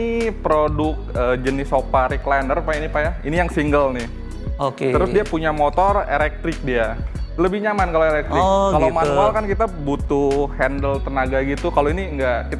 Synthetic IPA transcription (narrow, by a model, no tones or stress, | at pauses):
ipɾodʊk̚əːd͡ʒənɪsopaɾiklandərpainipajainijaŋsiŋɡəlnɪh | oket̪əɾʊsdiapuɲamot̪ɔrḛlɛk̚t̪ɾɪk̚dialəbɪhɲamankaloelɛk̚t̪ɾɪkkalomaualkankit̪abut̪ʊhɛndəlt̪ənaɡaɡit̪ukaloiniŋɡakit̪a